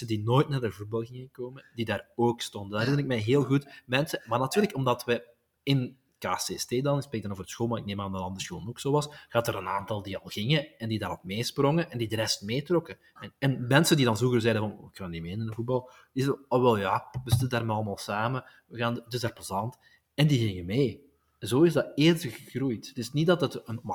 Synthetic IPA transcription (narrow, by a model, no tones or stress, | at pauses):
ədinoːjtnaːdəvut̚bɑlˠɣɪŋəkoːmədidaːroːkstɔndəndaːɾɪnɪk̚mɛjɦeːlˠɣutmɛnsəmaːrnɑtyːɾləkɔmdɑtʋə | ɪn | kaːsesteːdɑnspreːk̚dɑnoːvərdəsxoːlˠmaɾɪk̚neːmaːndənɑnd̪ərsxoːlənoksoːʋɑsɣaɑtəɾənaːntɑlˠdiɑlˠɣɪŋəɛndidaːɾɔtmeːsprɔŋəʔɛndidəɾɛstmeːtrɔkə | ɛnɛnmɛnsəndidɑnvuɣərzɛjdəvɑnɪkːaːndimeːnənənvut̚bɑlˠ | d̥izɛdəɔʋɛlˠjaʋəzɪtədaːrmɛɑlˠəmaːlˠsaːmə | ɣaːndɪzdaːrpozɑnt | ɛndiɣɪŋəmeː | zoːɪzdɑteːrstɣəɣrujttɪsnit̚dɑtətənm